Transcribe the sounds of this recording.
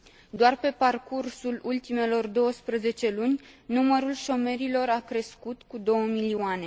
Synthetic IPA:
d̪oarpe̞parkursulult̪ime̞lo̞rd̪o̞wəspɾəze̞t͡ʃe̞lunʲnuməɾulʃo̞me̞ɾilo̞ɾakɾe̞skut̪kud̪o̞wəmiliane̞

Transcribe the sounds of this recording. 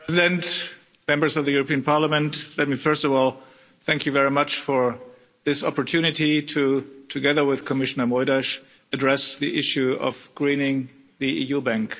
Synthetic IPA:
ɛzɪdɨ̃nt | mɛ̃mbə˞zʌvðɨjʊɹəpiə̃npʰɑɹləmə̃ntlɛt̚mifɜ˞stɔvɔlˠ | θæ̃ŋkʰjɨvɛɹimat͡ʃfɔ˞ | ðɪsɔpɔɹtʰʉnɪtitʰutʰɨɡɛðə˞wɪð̥kʰɔmɪʃənə˞mɔɪɾaʃ | ɨdɹɛsðiʔɪʃjuɔ̰vɡ̥ɹĩnɪ̃ŋ | ðiʔḭjubæ̃ŋk

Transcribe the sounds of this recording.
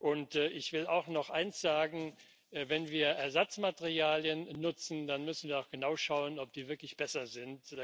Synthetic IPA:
ʔʊntːʔɪçv̥ɪla̰ʊxnɔχʔaɪnsz̥aːɡŋ̩ | vɛnviːɐʔɛɐzat͡smateʁiaːljənːʊt͡sn̩d̥anmʏsn̩viːɐaʊxɡ̥ənaʊʃaʊənɔp̚d̥iːvɪɐklɪçb̥ɛsɐzɪnt

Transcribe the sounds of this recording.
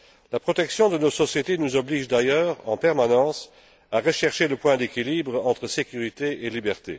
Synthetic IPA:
lapχɔt̪ɛksjɔ̃d̪ənosɔsjet̪enuzɔbliːʒd̪ajœːʁɑ̰̃pɛʁmanɑ̃s | aʁəʃɛʁʃeləpwɛ̃d̪ekilibʁɑ̃t̪χəsekʲyʁit̪eelibɛʁt̪ḛ

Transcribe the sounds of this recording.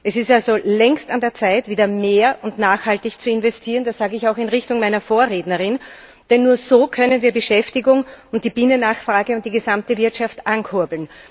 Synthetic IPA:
ʔɛsɪstalzolɛŋstandeːɐt͡saɪtv̥iːdɐmeːɐʔʊntnaːxhaltɪçt͡suɪnvɛstʰiːɐənd̥asz̥aːɡəɪçaʊxɪnʁɪçtʊŋmaɪnɐfoːɐʁeːdnɐʁɪn | d̥ɛnːuːɐzoːkʰœnənviːɐbəʃɛftɪɡʊŋʊnt̚d̥iːb̥iːnənaːxfʁ̥aːɡəʊnt̚d̥iːɡəzamtəvɪɐtʃaftʔankʰʊɐbl̩n

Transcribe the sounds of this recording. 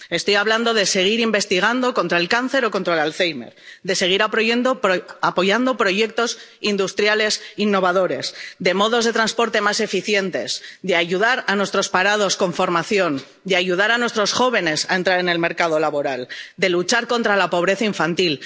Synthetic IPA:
e̞st̪o̞jaβland̪o̞ðese̞ɣ̞iɾimbe̞st̪iɣ̞and̪o̞ko̞nt̪ɾaelkanθe̞ɾo̞ko̞nt̪ɾaelalθejme̞̰ɾd̪e̞se̞ɣ̞iɾapɾoend̪oapo̞ʝand̪o̞pɾo̞ʝe̞k̚t̪o̞sind̪ust̪ɾjale̞sinːo̞β̞aðo̞ɾe̞sd̪e̞mo̞ðo̞zðe̞t̪ɾanspo̞ɾt̪e̞mase̞fiθje̞nt̪e̞sd̪eaʝuðaɾanwe̞st̪ɾo̞spaɾað̞o̞sko̞ɱfo̞ɾmaθjo̞n | d̪eaʝuð̞aɾanwest̪ɾo̞sxo̞β̞e̞ne̞sae̞nt̪ɾaɾe̞ne̞lme̞ɾkað̞o̞laβo̞ɾald̪e̞lut͡ʃaɾko̞nt̪ɾalapo̞β̞ɾe̞θaiɱfant̪il

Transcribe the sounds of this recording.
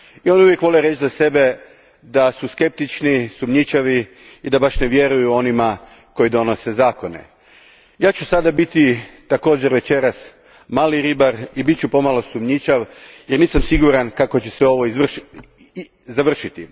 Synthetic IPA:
io̞nuʋjekʋo̞leɾet͡ʃzase̞be̞ | d̪asuske̞p̚t̪it͡ʃnisumɲit͡ʃaʋi | id̪abaʃne̞ʋje̞ɾujuo̞nima | ko̞jid̪o̞no̞se̞zaːko̞ne̞̰ | jaːt͡ʃusad̪abit̪it̪ako̞ːd͡ʑeɾʋe̞t͡ʃe̞ɾas | maːliɾibaɾibit̪̚t͡ʃupo̞malo̞sumɲit͡ʃaʋjeɾniːsamsiɡuɾankako̞t͡ɕe̞seo̞ʋo̞iz | zaʋr̩ʃit̪i

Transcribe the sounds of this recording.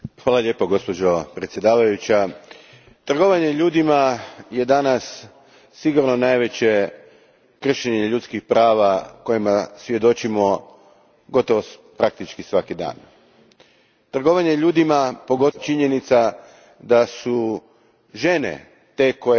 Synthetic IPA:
xʋaːlˠaʎʲe̞poɡo̞spo̞d͡ʑo̞pɾet̪sje̞d̪aːʋajut͡ɕa | t̪r̩ɡo̞ʋaɲe̞ʎuːd̪imaje̞d̪anasː | iɡuɾno̞najʋe̞t͡ɕe̞ | kr̩ʃeɲeʎut̪skixpɾaːʋako̞jimasʋje̞d̪o̞t͡ɕimo̞ | ɡo̞t̪o̞ʋopɾak̚t̪it͡ʃkisʋakid̪a̰ːn | t̪r̩ɡo̞ʋaɲe̞ʎuːd̪imapo̞ɡo̞t͡ʃiɲe̞nit̪sa | d̪asu | ʒe̞nḛ | t̪e̞ko̞e

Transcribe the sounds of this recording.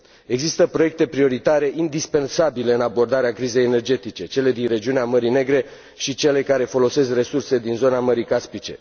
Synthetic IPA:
e̞ɡzist̪əpɾo̞je̞k̚t̪e̞pɾio̞ɾit̪aɾe̞ʔind̪ispe̞nsabile̞ɨnabo̞rd̪aɾeakɾize̞jene̞rd͡ʒe̞t̪it͡ʃe̞t͡ʃe̞le̞d̪inre̞d͡ʒiuneaməɾine̞ɡɾe̞ | ʃit͡ʃe̞le̞kaɾe̞fo̞lo̞se̞skre̞surse̞d̪inzo̞naməɾikaspit͡ʃe̞̰

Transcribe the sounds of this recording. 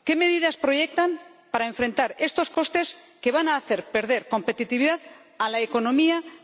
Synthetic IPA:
ke̞me̞ðiðaspɾo̞ʝe̞k̚t̪ampaɾaeɱfɾe̞nt̪aɾe̞st̪o̞sko̞st̪e̞s | ke̞β̞anaːθe̞ɾpe̞ɾðe̞ɾko̞mpe̞t̪it̪iβiðað | alaeko̞nõ̞mia

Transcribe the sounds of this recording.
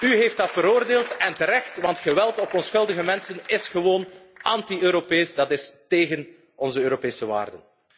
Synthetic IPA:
yɦeːft̚dɑtfəɾoːrdeːlˠtɛntəɾɛxtʋɑntχəʋɛlˠtɔpɔnsxɵlˠdəɣəmɛnsənɪsχəʋoːnʔɑntiøːɾopeːsdɑtɪsteːɣən | ɔnzəøːɾopeːsəʋa̰ːrdə̰n

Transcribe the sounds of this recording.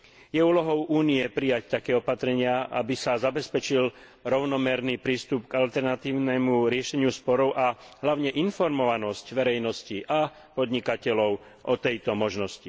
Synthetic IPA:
jɛuːlɔɦɔʊʔuːniɛpɾijact̪akɛːɔpat̪ɾɛɲɪaʔa̰bisazabɛspɛt͡ʃil | ɾɔʊnɔmɛɾniːpɾiːst̪upɡalt̪ɛɾnat̪iːʊnɛmuɾɪɛʃɛɲɪuspɔɾɔʊʔaɦlaʊɲɛʔinfɔɾmɔʋanɔscʋɛɾɛjnɔsciʔa | pɔd̪ɲikacɛlɔʊ | ʔɔt̪ɛjt̪ɔmɔʒnɔsci

